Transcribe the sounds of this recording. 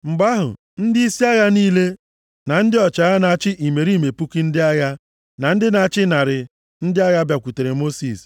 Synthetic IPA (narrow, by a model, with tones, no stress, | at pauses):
ŋ͡m̩˨ɡ͡ba˦ɦʊ̰˨ | n̩˦dɪ˦i˦si˦a˦ɣa˦niː˦le˦ | na˨n̩˦dɪ˦ɔ˨t͡ʃa˨˦a˦na˨a˦˨t͡ʃɪ˦ʔi˨me˨ɾi˦˨me˨pu˦ki˦n̩˦dɪ˦a˦ɣa˦ | na˨n̩˦dɪ˦na˨a˨t͡ʃɪ˦na˨ɾɪ˨ | n̩˦dɪ˦a˦ɣa˦bja˨kʷu˨te˨ɾe˨mo˦si˨s